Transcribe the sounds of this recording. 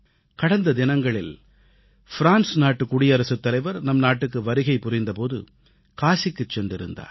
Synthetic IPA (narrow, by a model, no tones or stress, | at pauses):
kɐɽɐnd̪ɐd̪ɪnɐŋɡɐɭɪl | fɪɾaːnsnaːʈːɯkːʊɽɪjɐɾɐsɯt̪ːɐlɐɪʋɐɾnɐmnaːʈːɯkːɯʋɐɾɯɣɐɪpːʊrɪnd̪ɐpoːðɯ̰ | kaːsɪkːɯt͡ʃːɛnrɪɾɯnd̪a̰ːɾ